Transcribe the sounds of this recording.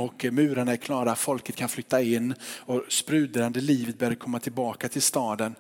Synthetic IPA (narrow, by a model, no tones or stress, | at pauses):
ɔkmʉ̟ːɾaɳaæɾkʰlɑːɾaat̪fɔlkət̪̚kʰanflʏt̪ːaɪnːɔspɾʉ̟ːd̪əɾand̪əliːvət̪̚bœːɾd̪əkʰɔmːat̪ʰɪlbɑːkat̪ʰɪlst̪ɑːd̪ən